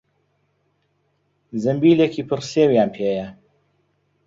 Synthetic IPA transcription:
zɨmbiːlekiːpʰɨrsewjaːnpʰeːjɐ

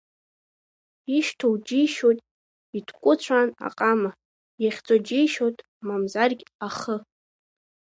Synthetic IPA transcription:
iʃtʰowd͡ʒijʃotʼ | itʰkʷʼʊt͡ɕʷʰana̰qʼama | jaχʲt͡sʼod͡ʒijʃotʼ | mamzarɡʲaχə

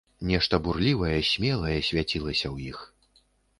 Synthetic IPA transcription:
nʲɛʂt̪ɐburlʲivɐjɐsʲmʲɛlˠɐjɐsʲvʲat͡sʲilˠɐsʲɐwjix

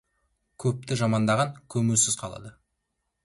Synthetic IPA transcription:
kʲʰɵp̚t̪ɪʒɑmɑnd̪ɑʁɑŋkʲʰɵmɪlsɪz̥qʰɑlˠɑ̰d̪ə

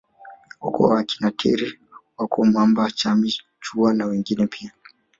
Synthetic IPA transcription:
hṵkɔ̰wakinatʰḭɾi | wakuamambat͡ʃami | t͡ʃuanawɛŋɡinɛpʰia

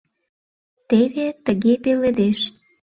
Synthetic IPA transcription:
t̪eβet̪ə̆ɣepeled̪eʃ

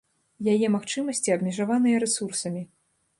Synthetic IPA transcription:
jajɛmaxt͡ʂɨmɐsʲt͡sʲiɐbmʲɛʐavanɨjɐɾɛsursɐmʲi

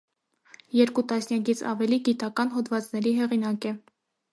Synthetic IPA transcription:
jɛɾkut̪ɑsnjɑkit͡sʰɑ̰vɛliɡit̪ɑkɑnɦɔd̪vɑt͡snɛɾiɦɛʁinɑkɛ

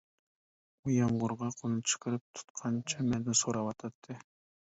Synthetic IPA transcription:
ujɑɴʁʊɾʁɑqʰonut͡ʃʰɨ̥qɨɾɪp̚t̪ʰu̥t̪qʰɑnt͡ʃʰɑmend̪ɪsoɾɑwɑt̪ʰɑt̪ʰːɨ

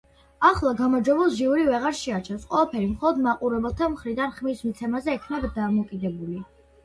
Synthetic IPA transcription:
aχlˠaɡamɔɾd͡ʒwɛbɛlˠʒiuɾivɛʁaɾʃɛat͡ʃʰɛfsqʼwɛlˠapʰɛɾimχɔlˠɔd̪maqʼuɾɛbɛlˠt̪ʰamχɾid̪anχmismit̪sʰɛmazɛːkʰnabd̪amɔkʼid̪ɛbuli

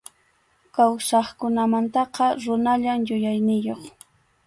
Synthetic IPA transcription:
kawsɑχkʊnamant̪ɑqɑɾʊnaʎamjʊjajnɪjoχ

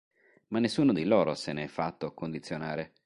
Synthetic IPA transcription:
manːesːuːnod̪ilɔːɾoseneɛfːat̪ːokːond̪it̪sːjonaːɾe

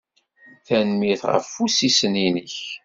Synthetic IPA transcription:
θænmiθʁə̰fːusisəninəç

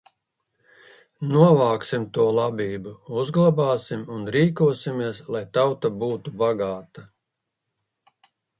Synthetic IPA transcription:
nuɔvaːksimt̪uɔlˠabiːbuuzɡlˠabaːsimunɾiːkuɔsimiɛslˠajt̪awt̪abuːt̪ubaɡaːt̪a

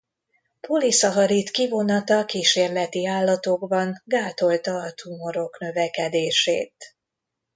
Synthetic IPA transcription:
polisɒɦɒɾit̪kivo̞nɒt̪ɒkiːʃeːrlɛt̪iaːlːɒt̪o̞ɡbɒŋɡaːt̪o̞lt̪ɒːt̪ʰumo̞ɾo̞kn̪ø̞vɛkɛd̪eːʃḛːt̪

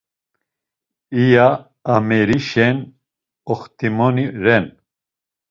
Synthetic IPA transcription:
ijaː | mɛɾiʃɛn | ɔχt̪ʰʼimɔniɾɛn

